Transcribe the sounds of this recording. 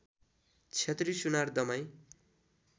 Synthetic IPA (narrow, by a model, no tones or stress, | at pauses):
t͡sʰet̪risunard̪ʌmaj̃